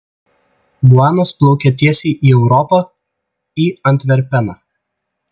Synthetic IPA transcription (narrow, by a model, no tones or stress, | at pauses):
blˠɑːnɐsplˠɔʊkʲɛt̪ʲiɛsʲiːʔiːɛʊɾɔpɑ | iːɐnʲt̪ʲʋʲɛɾʲpʲɛnɑː